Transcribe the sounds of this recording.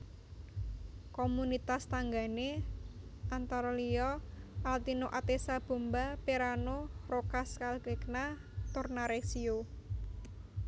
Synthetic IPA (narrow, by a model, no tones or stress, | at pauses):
komunit̪ast̪aŋɡane | ant̪aɾɔlijɔʔalt̪inoʔat̪esab̥o̤mbapeɾanorokaskalkekna | t̪ʊrnaɾesio